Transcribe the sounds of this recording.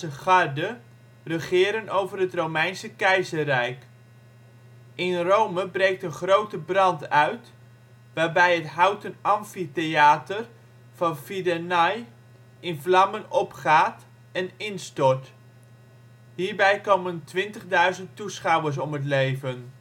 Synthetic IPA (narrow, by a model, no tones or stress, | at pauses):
əχɑrdə | rəχɪːɾənowvərɦətrowmɛjnsəkɛjzərɛjk | ʔɪnrowməbrejk̚tənχrowtəbrɑntœɥt | ʋaːɹbɛjɦətɦawtənɑmfitejaːtər | v̥ɑnfidanɑj | ɪnvlɑmənɔpχaːt | ɛnɪnstɔɹt | ɦiːɹbɛjkowməntʋɪntəχdœɥzəntusχɑwəɹs̬ɔmɦət̬lejvən